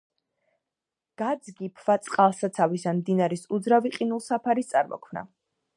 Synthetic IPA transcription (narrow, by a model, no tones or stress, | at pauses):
ɡ̥ad̪zɡipʰvat̪sʼqʼalˠsat̪sʰavisamd̪inaɾɛsud̪zɾaviqʼinulˠsapʰaɾist̪sʼa̰ɾmɔ̰kʰmna̰